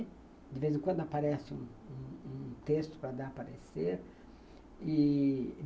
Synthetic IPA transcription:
d̪ɪvezẽkwɐ̃nd̪ʊapaɾɛsɪṵ̃ũũt̪est̪ʊ̥pɾɐd̪aɾpaɾeseɾ | ɪ

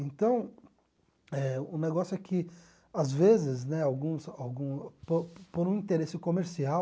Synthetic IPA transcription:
ẽnt̪ɐ̃w̃ | ɛʊneɡɔsjʊɛkʰɪ | azvezɪznɛawɡũsawɡũpopoɾũĩt̪eɾesɪkomeɾsia

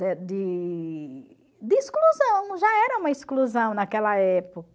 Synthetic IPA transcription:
ɛd̪ɪ | d̪ɪiskluzɐ̃w̃ʒaɛɾɐũmɐiskluzɐ̃w̃nɐkɛlɐɛpok

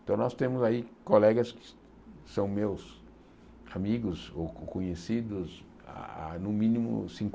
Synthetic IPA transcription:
t̪ɐ̃w̃nɔst̪ẽmʊzaikolɛɡɐskɪ̥ | sɐ̃w̃mews | amiɡʊzokõɲesid̪ʊz | a̰a̰nʊ̃mĩnĩmʊ̰sĩŋk

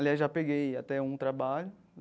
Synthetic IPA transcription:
aliaʒapeɡejat̪ɛũt̪ɾabaʎʊ

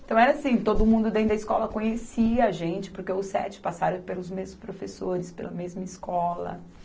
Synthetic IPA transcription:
ɪ̃t̪ɐ̃w̃ɛɾɐasĩt̪od̪ʊmũnd̪ʊd̪ẽʊd̪ɐiskɔlɐkõɲesiɐaʒẽnt͡ʃɪ̥poɾkeʊsɛ̰t͡ʃɪ̥pasaɾɐ̃pelʊzmezʊspɾofesoɾɪspḛlɐmezmɐiskɔlɐ̰

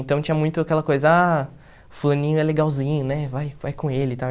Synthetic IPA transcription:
nt̪ɐ̃w̃t͡ʃĩɲɐmũj̃t̪ʊakɛlɐkojzɐa | ʊflɐ̃nĩɲʊɛɾleɡawzĩɲʊnɛvajvajkõelɪt̪a

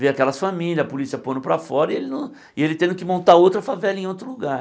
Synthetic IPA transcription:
veakɛlɐsfamilʲjɐzɐpolisiɐpõnd̪ʊpɾɐfɔɾɐɪelɪnʊ̃ | ɪelɪt̪ẽnd̪ʊkɪmõnt̪aowt̪ɾɐfavɛlɐẽowt̪ɾʊluɡa

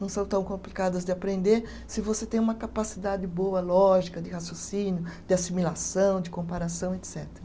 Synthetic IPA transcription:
nɐ̃w̃sɐ̃w̃t̪ɐ̃w̃kõmplikad̪ɐzd̪ɪapɾẽnd̪eɾ | sɪvoset̪ẽj̃ũmɐkapasid̪ad̪ɪbowɐlɔʒikɐd̪ɪhasjosĩnjʊd̪̥ɪasimilasɐ̃w̃d̪ɪkõpaɾasɐ̃w̃et̪sɛt̪eɾɐ

